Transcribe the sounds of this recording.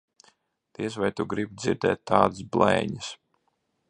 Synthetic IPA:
d̪̥iɛs̬vajt̪uɡɾibd̪ziɾd̪ɛ̰ːt̪ːaːd̪ɨsblˠɛ̰ːɲis

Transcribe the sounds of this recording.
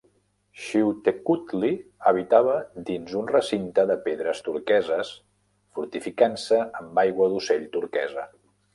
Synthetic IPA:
ʃiwt̪ekut̪liəβ̞it̪aβ̞əd̪inzunrəsint̪əðəpeðɾəst̪uɾkɛzəs | fuɾt̪ifikansəəmbajɣwəðuseʎt̪uɾkɛzə

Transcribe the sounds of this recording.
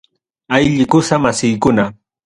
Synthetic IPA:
ajʎɪkʊsamasɪjkʊna

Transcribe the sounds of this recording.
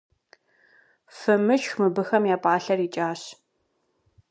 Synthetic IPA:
fɨmɨʃxmɨbɨxɐmjaːpʼaːɬɐrit͡ʃʼaːɕ

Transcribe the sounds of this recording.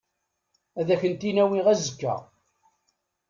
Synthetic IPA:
æðæçənt̪inæwiʁæzəkːæ̰ʁ

